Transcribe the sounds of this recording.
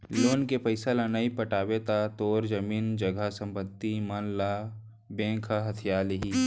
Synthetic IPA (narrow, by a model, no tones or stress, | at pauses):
loːnkepəɪsalanaipəʈaːwet̪at̪oːɾd͡ʒɐmiːnd͡ʒɐɡʱasə̃mpət̪ːimɐnla | bẽːkʰaɦɐt̪ʰijaːliɦiː